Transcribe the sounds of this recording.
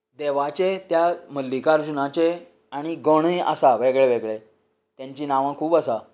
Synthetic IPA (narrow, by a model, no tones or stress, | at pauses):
d̪eʋat͡ɕet̪jaməlːikaɾd͡ʑunãt͡ɕe | aɽ̃iɡoɽ̃əja̰saʋeɡɭeʋeɡɭe | t̪jãɲt͡ɕiːnaʋãkʰuːbasa